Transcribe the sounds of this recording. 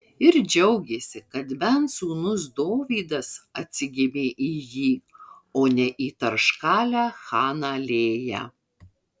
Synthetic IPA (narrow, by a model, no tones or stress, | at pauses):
ɪɾd͡ʒʲɛʊɡʲeːsʲɪkɐt̪bʲɛnt̪suːnʊsd̪oːʋʲiːd̪ɐsɐt̪ʲsʲɪɡʲɪmʲeːʔiːjiː | oːnʲɛʔiːt̪ɐɾʃkɑːlʲæːxɑːnɑːlʲeːjæ̰ː